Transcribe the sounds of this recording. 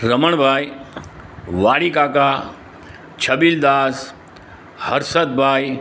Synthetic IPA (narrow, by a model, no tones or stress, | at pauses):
ɾɐməɳbʱaːj | ʋaːɽikaːka | t͡ɕʰɐbild̪aːs | hɐɾsət̪̚bʱaːj